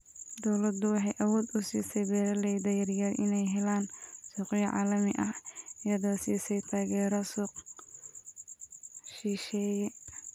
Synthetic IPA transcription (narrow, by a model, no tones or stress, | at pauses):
d̪ɔwlɐd̪ʊwɑħɑjʔɐwɔːd̪ʊsiːsɛbɛːɾɐlɛjd̪ɐjɐrjɐrʔɪnɛjɦɛlaːnsuːqjɐʕa̰ːlɐmɪʔɐhɪjɐðɔːsiːsɛjt̪ʰaːɣɛːɾɔsuːq | ʃiːʃɛːjɛ